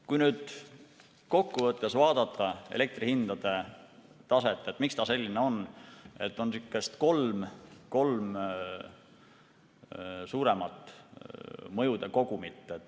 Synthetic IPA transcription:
kujnyːd̪̥ | ko̞kːuvɤt̪ˑːe̞svɑːd̪̥ɑt̪ʰːˑɑḛle̞k̚t̪rihind̪̥ɑd̪̥e̞ | t̪ɑse̞t̪ˑːet̪ːˑmikst̪ɑse̞lʲːineo̞ne̞t̪ːˑo̞nsikːˑe̞st̪ko̞lmko̞lm | suːɾe̞mɑt̪ˑː | mɤ̞jud̪̥e̞ko̞ɡ̥umit̪ːˑet̪ː

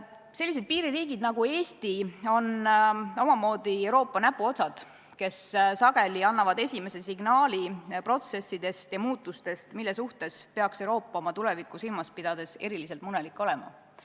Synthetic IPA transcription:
se̞lːis̬ed̪̚piːɾiriːɡ̥id̪nɑɡue̞ːst̪io̞no̞mɑmo̞ːd̪̥ie̞wɾo̞ːpːˑɑnæpːuo̞t̪sɑd̪̥ | ke̞ssɑɡ̥e̞liɑnːɑvɑd̪e̞sʲime̞se̞siɡ̥nɑːlipro̞t̪se̞sːid̪̥e̞st̪jɑmuːt̪ːˑust̪e̞st̪milːesuht̪e̞spe̞ɑksewɾo̞ːpːˑɑo̞mɑt̪ulɛvikˑːusilmɑspid̪̥ɑd̪̥e̞se̞ɾilis̬e̞lt̪munelikːˑo̞lɛmɑ̰

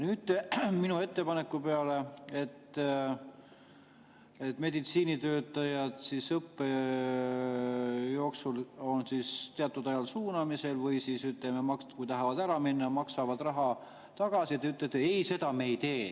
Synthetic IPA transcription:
nyːd̪minue̞t̪ːe̞pɑne̞kːupe̞ɑle̞e̞t̪ː | e̞t̪ːme̞d̪it̪siːnit̪øːt̪ːˑɑjɑd̪̥sisɤpːe | jo̞ːksulo̞nsist̪eɑt̪ːˑud̪ɑjɑlsuːnɑmise̞lvɤjsisyt̪ːˑlememɑk̪kujt̪ɑɦɑvɑd̪æɾɑminːɑmɑksɑvɑd̪rɑɦɑ | t̪ɑɡ̥ɑsiet̪ːeyt̪ːˑet̪ːˑeejse̞d̪̥ɑme̞ːjt̪e̞ː

